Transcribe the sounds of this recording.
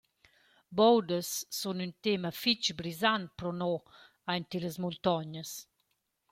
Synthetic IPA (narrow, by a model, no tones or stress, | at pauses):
bɔwd̪əsːunynt̪eməfit͡ʃbɾizant̪̚pɾɔnɔ | ajnt̪iləsmult̪ɔɲəs